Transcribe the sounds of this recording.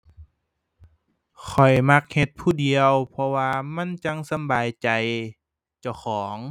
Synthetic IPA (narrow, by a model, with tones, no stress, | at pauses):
kʰɔ˨˩jma˧k̚he˧t̪̚pʰuː˧˩di˨əwpʰɔ˧waː˧ma˧˥˨nt͡ɕa˧˥ŋsa˧˦mbaː˨jt͡ɕa˨˩j | t͡ɕa˧˩wxʰɔː˩˦ŋ